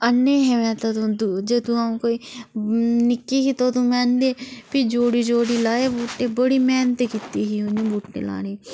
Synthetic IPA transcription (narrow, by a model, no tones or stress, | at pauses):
ənːeːɦɛːmɛ̃ːt̪at̪ũd̪ud͡ʒeːt̪ũaũːkoːiː | nɪkːiːɦiːt̪ot̪ũːmɛːnd̪eːpid͡ʒoːɽiːd͡ʒoːɽiːlaːeːbuːʈːeːbəɽiːmɛːnt̪ekit̪iːɦiʊnĩːbuːʈːḛːla̰ːneː